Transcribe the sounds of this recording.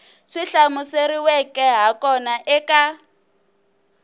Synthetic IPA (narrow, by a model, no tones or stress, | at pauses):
ʂiɬamʊseɾiwɛkʼɛɦakɔnaʔɛkʼa